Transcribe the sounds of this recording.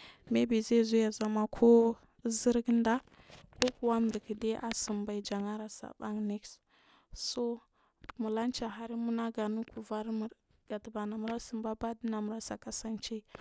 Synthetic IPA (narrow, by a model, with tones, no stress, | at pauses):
me˦bi˨ze˦˨zu˦ja˨za˨ma˦kʰo˦ | zə˦ɾɡnda˦ | ko˦ku˨wa˦m˨də˨ki˨de˦ʔa˨sə˨mba˨i˦d͡ʒa˨ŋa˦ɾa˨sa̰˨ba̰˦ŋni˦ks | so˦ | mu˨la˦nt͡ʃa˨ɦa˦ɾi˦mu˦na˦ɡa˨nu˦ku˨va˦ɾmu˨ɾ | ɡ̥a˨tə˨ba˨na˨mu˦ɾa˦sə˨mba˦ba˦di˦na˨mu˨ɾa˦sa˨ka˦sa˦nt͡ʃe˦˨